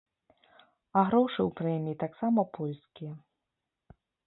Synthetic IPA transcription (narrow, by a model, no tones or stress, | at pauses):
ɐɣɾɔwʂɨwpɾɛmʲiit̪aksamɐpɔlʲskʲijɛ